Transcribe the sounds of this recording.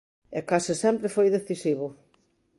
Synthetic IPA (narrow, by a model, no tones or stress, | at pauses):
ekasɪsɛmpɾefojðeθisiβʊ